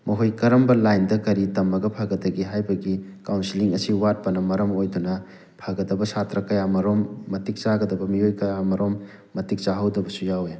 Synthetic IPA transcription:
mɐɦojkɐɾɐmbɐlajndɐkɐɾitɐmɐɡɐpʰaɡɐdɐɡiɦajbɐɡikawnsiliŋɐsiwat̚pɐnɐmɐɾɐmojdunɐ | pʰaɡɐdɐbɐsatɾɐkɐjamɐɾomːɐtik̚t͡ʃaɡɐdɐbɐmiojkɐjamɐɾomː | ɐtik̚t͡ʃaɦɐwdɐbɐsujawe

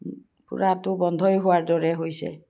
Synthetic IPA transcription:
pṵɹatʊbɔnd̪ʱɔjɦʊwaɹdɔɹɛɦojsɛ̰

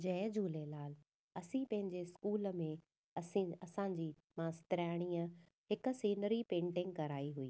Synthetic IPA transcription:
d͡ʑɛːd͡ʑʱuːlelaːl | ɐsĩpɐ̃ɦɪ̃ɲd͡ʑeskuːlə̆mẽ | ɐsĩɐsãɲd͡ʑiː | mãːst̪ɪɾaːɽ̃iːə | hɪkə̆siːnəɾipẽːɳʈɪ̃ŋɡ̚kɐɾaːiɦuiː

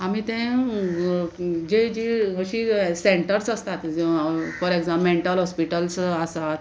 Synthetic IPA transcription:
amit̪ẽ | d͡ʑed͡ʑiɦəɕiːseɳʈəɾsəst̪at̪fɔɾeɡzãmmeɳʈəlɦɔspiʈəlsəsat̪

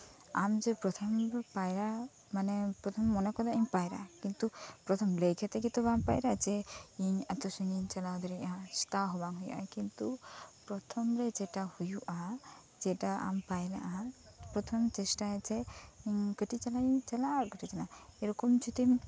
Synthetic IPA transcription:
a̰md͡ʒɛpɾɔt̪ʰɔmɾpajɾa | manɛpɾɔt̪ʰɔmːɔnakɔd̪aiɲpajɾa̰kint̪upɾɔt̪ʰɔmləjkʰjat̪ɛkit̪ɔbaŋpa̰jɾad͡ʒɛiɲat̪ɔsuŋiɲt͡ʃalawd̪ɔɾiast̪aɦɔbaŋɦujṵʔa̰kint̪upɾɔt̪ʰɔmɾɛd͡ʒɛʈahujuʔa | d͡ʒɛʈaa̰mpajɾa̰ʔa | pɾɔt̪ʰɔmt͡ʃɛsʈaɛt͡ʃɛiɲkəʈit͡ʃalajt͡ʃalaɾkəʈit͡ʃalaeɾɔkɔmt͡ʃʰut̪im

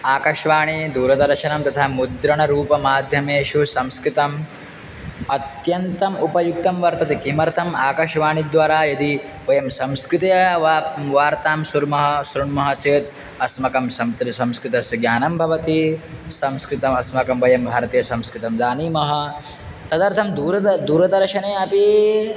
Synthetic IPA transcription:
aːkɐʃʋaːɳid̪uːɾɐd̪ɐɾʃɐnɐmt̪ɐt̪ʰaːmud̪ɾɐɳɐɾuːpɐmaːd̪ʱjɐmeːʃusɐ̃mskɾɪt̪ɐm | ɐt̪jɐnt̪ɐmupɐjuk̚t̪ɐmʋɐɾt̪ɐt̪ikimɐɾt̪ʰɐmaːkɐʃʋaːɳid̪ʋaːɾaːjɐd̪i | ʋɐjɐmsɐ̃mskɾɪt̪ɐjɐʋaʋaːɾt̪aːmsuɾmɐɦɐsɾuɳmɐɦɐt͡ʃeːt̪ | ɐsmɐkɐmsɐmt̪ɾsɐ̃mskɾɪt̪ɐsɐɡjaːnɐmbʱɐʋɐt̪isɐmskɾɪt̪ɐmɐsmɐkɐmʋɐjɐmbʱaːɾɐt̪iːjɐsɐ̃mskɾɪt̪ɐmd͡ʒ̪aːniːmɐɦɐ | t̪ɐd̪ɐɾt̪ʰɐmd̪uːɾɐd̪uːɾɐd̪ɐɾʃɐneːɐpi

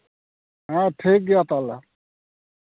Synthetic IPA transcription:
ɦãːʈʰiːk̚ɡjat̪aːla

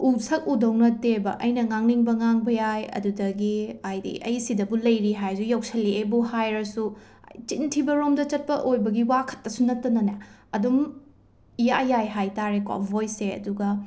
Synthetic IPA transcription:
usʰɐk̚udɐwnɐtebɐʔɐjnɐŋaŋniŋbɐŋaŋbɐjajɐ̰dudɐɡiajdḭʔɐ̰jsidɐbulɐjɾiɦajzujawsɐliebuhajɾɐsṵ | jt͡ʃintʰibɐɾomdɐt͡ʃɐt̚pɐʔojbɐɡiwakʰɐ̥t̚pɐsunɐtːɐnɐnɐ | ɐdum | ija̰jajɦajtaɾekwa̰bʱojseɐ̰duɡɐ

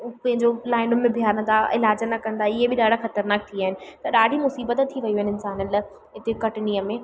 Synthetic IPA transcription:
pɐ̃ɦɪ̃ɲd͡ʑolaːɪ̃ɳɖʊmẽbʱjaːɾə̃nd̪aʔɪ̰laːd͡ʑənɐkːɐ̃nd̪aːɪɦebɪɗaːɽ̤ʱaxɐt̪əɾnaːk̚t̪ʰiaːɦɪnɪ̆t̪ɐɗaːɽʱimʊsiːbət̪t̪ʰːiʋɐijuɦenɪɪnsaːnənl | ɦɪt̪ekɐʈɪniːəmẽː

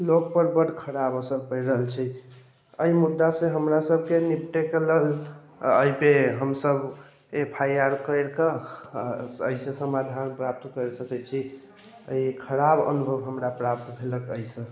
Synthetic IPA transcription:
lok̚pəɾbəɽkʰəɾabəsəɾpəjɾəɦəlt͡ʃʰi | əimud̪ːasẽɦəmɾasəb̚ʱkenipʈekləl | ə̰jpeɦəmsəb | epʰajaɾkəɾka | ə̰isẽsəmad̪ʱanpɾap̚t̪kəɾesəkɛt͡ʃʰi | ə̰ikʰəɾabə̰nubʱəbɦəmɾapɾap̚t̪bʱeləkəisə̃

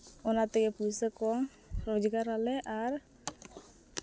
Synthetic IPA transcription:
ɔnat̪ɛɡɛpusəkɔŋ | ɾɔd͡ʒɡaɾalɛʔar

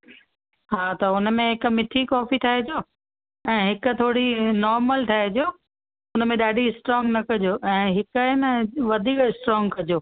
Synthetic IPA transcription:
ɦaːt̪ɐʊnəmẽɦɪk̆mɪt̪ʰikɔːfit̪ʰaːɦed͡ʑoː | ɛ̃ːɦɪkʊ̆t̪ʰoːɽinɔːɾməlʈ̪ʰaːed͡ʑoː | ʊnəmẽɗaːɖʱiɪsʈɾɔːŋɡnɐkɐd͡ʑoːʔɛ̃ːɦɪkaɦɪnəʋɐd̪ʱiːkɪsʈɾɔ̃ːŋɡkɐd͡ʑoː

